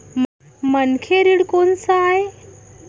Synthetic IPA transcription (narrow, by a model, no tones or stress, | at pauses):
mənkʰeɾiɽkonsəae